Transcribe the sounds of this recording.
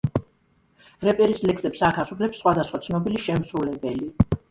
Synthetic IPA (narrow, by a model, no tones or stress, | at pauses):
ɾɛpʼɛɾislɛksɛpsaʁasupʰlɛpsːχwad̪asχwat̪sʰnɔbiliʃɛmsɾulɛbɛli